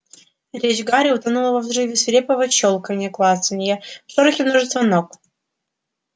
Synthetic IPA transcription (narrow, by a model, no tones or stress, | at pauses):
ɾʲet͡ɕɡaɾʲɪʊt̪anulˠəvɐvzrɨvʲɪsvʲɪɾʲepəvət͡ɕolˠkənʲɛklˠasənʲjəfʂoɾəxʲɪmnoʐɨst̪vənok